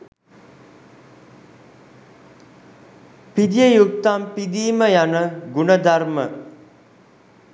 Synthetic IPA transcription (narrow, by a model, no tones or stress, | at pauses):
pid̪ijəjukt̪ampid̪iːməjanəɡunəd̪aɾmə